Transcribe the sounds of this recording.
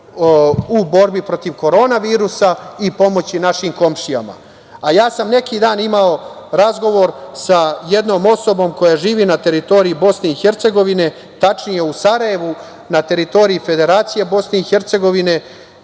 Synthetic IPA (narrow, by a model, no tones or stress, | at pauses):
ubo̞ɾbipɾo̞t̪iʋko̞ɾo̞ːnaʋiːɾusaipo̞mo̞t͡ɕinaʃiːmko̞mʃija̰ma̰ | ajaːsamne̞kid̪aːnimao | ɾazɡo̞ʋo̞ɾsaje̞d̪no̞ːmo̞so̞bo̞mko̞jaʒiːʋinat̪e̞ɾit̪o̞ɾiibo̞sne̞ixe̞ɾt̪se̞ɡo̞ʋine̞ | t̪at͡ʃnije̞usaɾaje̞ʋu | nat̪e̞ɾit̪o̞ɾiife̞d̪e̞ɾaːt̪sije̞bo̞sne̞ixe̞ɾt̪se̞ɡo̞ʋine̞